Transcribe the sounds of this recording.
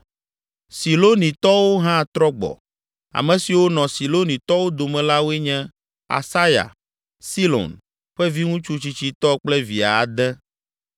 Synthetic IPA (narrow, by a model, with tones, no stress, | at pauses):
si˨lo˦nĩ˨t̪ɔ˦wo˦ɦã˦˨t̪ɾɔ˦ɡ͡bɔ̰˨ | a̰˨mɛ̃˨si˨wo˦nɔ̃˨si˨lo˦nĩ˨t̪ɔ˦wo˦d̪o˨mɛ̃˨la˦wo˦ɛ˦ɲɛ̃˦ | a̰˨sa˦ja̰˨ | si˦lo̰˨n | ɸɛ˦vi˦ŋũ˦t͡ʃu˦t͡ɕi˨t͡ɕi˦t̪ɔ˦k͡plɛ˦vi˨a˨a˨d̪ɛ˦